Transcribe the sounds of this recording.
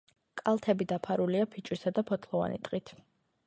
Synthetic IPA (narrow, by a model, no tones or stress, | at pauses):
kʼalˠt̪ʰɛbid̪apʰaɾuliapʰit͡ʃʼwisad̪apʰɔt̪ʰlˠɔva̰nḭt̪ʼqʼit̪ʰ